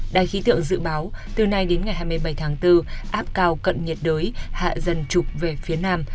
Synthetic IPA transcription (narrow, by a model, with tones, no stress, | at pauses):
ɗa̰ː˧˨˩jxi˨˦t̪ɨ̰˧˨əŋzɨ̰˧˨ɓaː˨˦wt̪ɨ˨˩na˧jɗe˨˦nŋa˨˩jɦaː˧jm˧əjɓa˧˩jt̪ʰaː˨˦ŋt̪ɨ˧ʔaː˦˥p̚kaː˧wkə̰˧˨nɲə˨˩t̚ɗəː˨˦jha̰ː˧˨zə˧nt͡ɕʊ˨˩k͡p̚ve˨˩fi˨˦ənaː˧m